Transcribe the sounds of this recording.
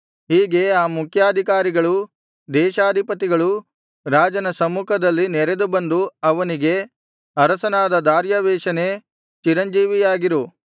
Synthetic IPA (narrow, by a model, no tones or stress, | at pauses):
ɦiːɡe̞aːmukʰjaːd̪ʱikaːɾiɡɐɭu | d̪ɛːʃaːd̪ʱipɐt̪̬iɡɐɭu | ɾaːd͡ʒɐnɐsɐmːukʰɐd̪ɐlːinɛɾe̞d̪ubɐnd̪uɐʋɐniɡe̞ | ɐɾɐsɐnaːd̪ɐd̪aːɾjɐʋɛːʃɐne̞ | t͡ʃiɾɐɲd͡ʒiːʋijaːɡiɾu